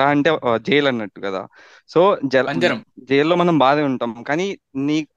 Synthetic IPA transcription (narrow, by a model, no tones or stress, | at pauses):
aːɐɳʈe̞ːd͡ʒɛjɐlɐnːɐʈːukɐd̪a̰ː | so̞ːd͡ʒɛlɐd͡ʒɐd͡ʒɛjɐlːo̞ːmɐnɐmbaːd̪ɐuɳʈaːmkaːniː | niː